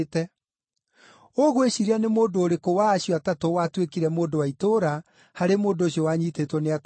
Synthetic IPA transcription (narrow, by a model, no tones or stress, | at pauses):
tɛ | oɣoeɕiɾianemoːndoːɾekowaːɕjɔatatowatwekiɾɛmoːdowaitoɾa | haɾemoːndoɕiɔwaɲitetwɔneat